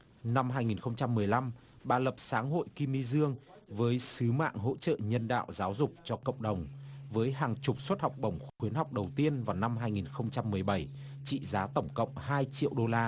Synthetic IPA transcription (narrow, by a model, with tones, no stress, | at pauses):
na˧mɦaː˧jŋi˨˩nxə˧wŋ͡mt͡ɕa˧mːɨ˨˩əjla˧m | ɓaː˨˩lə˨˩p̚saː˨˦ŋɦo̰˧˨jki˧mi˧zɨ˧əŋ | vəː˨˦jsɨ˨˦ma̰ː˧˨ŋɦo̰˧˥t͡ɕə̰˧˨ɲə˧nɗa̰ː˧˨wzaː˨˦wzʊ˨˩k͡p̚t͡ɕɔ˧kə̰˧˨wŋ͡mɗə˨˩wŋ͡mvəː˨˦jɦaː˨˩ŋt͡ɕʊ˨˩k͡p̚swə˥t̚hɔ˨˩wk͡p̚ɓə˧˩wŋ͡mxwi˨˦ənhɦa˨˩wk͡p̚ɗə˨˩wt̪i˧ənvaː˨˩wna˧mɦaː˧jŋi˨˩nxə˧wŋ͡mt͡ɕa˧mːɨ˨˩əjɓə˧˩j | t͡ɕḭ˧˨zaː˨˦t̪ə˧˩wŋ͡mkə̰˧˨wŋ͡mhaː˧jt͡ɕḭ˧˨əwɗo˧laː˧